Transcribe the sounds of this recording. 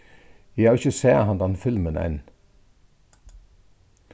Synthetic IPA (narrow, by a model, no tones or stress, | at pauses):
jɛæːʁɪçəseːhɑnd̪ɑnfɪlmənɛ̰n